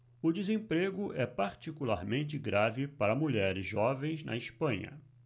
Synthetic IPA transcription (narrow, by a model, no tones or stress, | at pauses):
ʊd͡ʒɪzẽpɾeɡʊʔɛpaɾt͡ʃikula̰ɾmẽnt͡ʃɪɡɾavɪpaɾɐmuʎɛɾɪzʒɔvẽj̃znɐ̰ɪʃpɐ̃ɲɐ̰